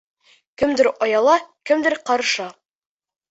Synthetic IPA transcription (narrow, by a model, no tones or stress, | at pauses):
kɘ̆md̪ɘɾɑjɑlˠɑkɘmd̪ɘɾqɑɾʃɑ